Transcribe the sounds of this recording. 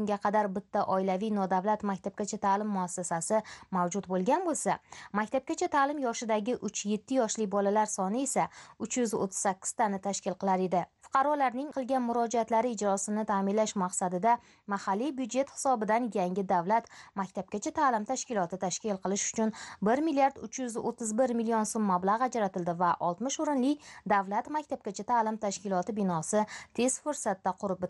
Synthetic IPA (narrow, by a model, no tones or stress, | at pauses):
ʊŋɡʲaqʰɑd̪aɾbɪt̪ʰːaʔɒɪlavijnɒd̪avlat̪makʲt̪ʰap̚kʲat͡ʃʰat̪ʰaːlɪmːʊasːasasɪmawd͡ʒʊt̪̚bolˠɡʲanbolˠsamakʲt̪ʰap̚kʲat͡ʃʰat̪ʰaːlɪmjɒʃɪd̪aɡʲɪʔʊt͡ʃʰje̞t̪ʰːɪjɒʃlɪbɒlalaɾsɒnɪe̞saʊt͡ʃʰjʊzo̰t̪ʰːɪz̥sakʲːɪ̥z̥t̪ʰanɪt̪ʰaʃkʲɪlˠqɨlaɾe̞d̪ɪfʊ̥qʰɑɾɒlaɾnɪŋqʰɨlˠɡʲanmʊɾɒd͡ʒaat̪laɾɪɪd͡ʒɾɒsɪnɪt̪ʰaːmɪnlaʃmaqsad̪ɪd̪a | mahalːijbjud̪d͡ʒe̞t̪hɪ̥sɒbɪd̪anjaŋʲɪd̪avlat̪makʲt̪ʰap̚kʲat͡ʃʰat̪ʰaːlɪmt̪ʰaʃkʲɪlˠɒt̪ɪt̪ʰaʃkʲɪlˠqʰɨlˠɪʃʊ̥t͡ʃʰʊnbɪɾmɪlijaɾd̪ʊt͡ʃʰjʊzo̰t̪ʰːɪzbɪɾmɪlio̞nsomːablˠaʁad͡ʒɾat̪ɪld̪ɪvaʔɒlˠt̪mɪʃoɾɪnlɪkʲd̪avlat̪makʲt̪ʰap̚kʲat͡ʃʰat̪ʰaːlɪmt̪ʰaʃkʲɪlˠɒt̪ɪbɪnɒsɪt̪ʰe̞z̥fʊɾsat̪ːaqʰʊɾɪp̚b